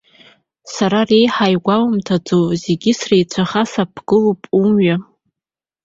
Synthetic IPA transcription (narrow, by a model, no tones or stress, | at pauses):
saɾare̞jħajɡʷawmtʰad͡zoze̞ɡʲɪsrejt͡ɕʷʰaχasapʰɡ̥ɨlupʼumɥa